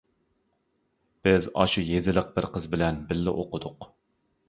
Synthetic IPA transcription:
b̥ɪzɑ̰ʃujezɪləq̚bɪɾqəzbɪlɛnbɪlːɪʔoqʊd̪ʊq

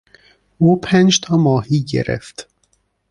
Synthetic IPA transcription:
uːpʰænd͡ʒt̪ʰɒːmɒːhiːɟḛɾḛft̪

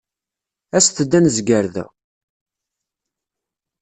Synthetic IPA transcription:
æsθəd̪ːænzɡəɾðæ̰

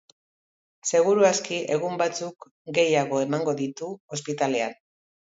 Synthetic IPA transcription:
se̞ɣ̞uɾuaskiʔe̞ɣ̞umbat͡suk | ɡe̞jaɣ̞o̞e̞maŋɡo̞ðit̪uo̞spit̪ale̞a̰n

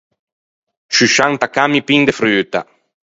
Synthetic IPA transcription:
ʃyʃant̪akamipiŋd̪efɾyt̪a̰

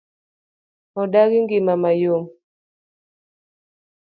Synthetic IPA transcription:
ɔdaɣiŋɡimamajom

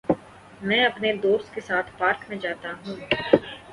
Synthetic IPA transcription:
mɛ̃ːɐpned̪oːst̪̚kesaːt̪ʰpaːɾkmẽd͡ʒaːt̪aɦũː

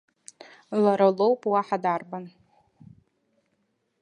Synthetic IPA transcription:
laɾalowpʼwaħadarban

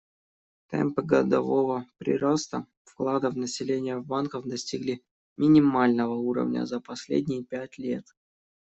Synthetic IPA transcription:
t̪ɛ̰mpɨɡəd̪ɐvo̞vəpɾʲɪ̰ɾost̪ə | fklˠad̪əvnəsʲɪlʲenʲɪjəvbankəvd̪ɐsʲtʲiɡlʲi | mʲɪnʲɪmalʲnəvəuɾə̰vnʲə̰zəpɐsʲlʲḛdʲnʲɪjəpʲætʲlʲe̞t̪

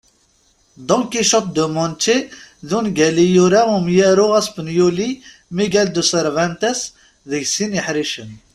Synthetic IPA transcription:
d̪ɔ̃ŋkiʃət̪̚d̪əmɔnt̪eðunɡælijuɾæumjæɾuʁæsfənjuli | miɡæld̪əsəɾvænt̪əs | ðəɡsinjəħɾiʃən

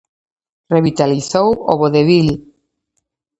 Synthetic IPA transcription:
reβit̪aliθowo̰βoðeβil

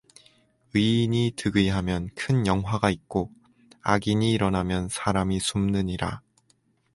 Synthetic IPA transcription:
ɯɲitɯɡɯiɦamjʌnkʰɯnjʌŋɦwaɡaik̚k͈o | aɡiɲiːɾʌnamjʌnsʰaɾamisʰumnɯɲiɾa̰

